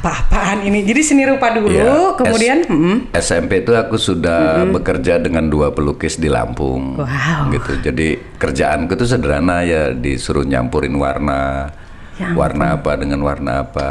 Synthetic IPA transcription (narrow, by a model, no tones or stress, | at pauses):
papaaninid͡ʒadisəniɾupadulukəmudianm̩m̩ɛsɛmpet̪uakusudahbəkərd͡ʒadəŋanduapəlukɪsdila̰mpʊ̰ŋwaɡit̪ud͡ʒadi | kərd͡ʒaʔankut̪us̬ədəɾanajadisuɾuɲa̰mpuɾɪnwa̰rna | wa̰rnaːpadəŋanwarna̰ːpa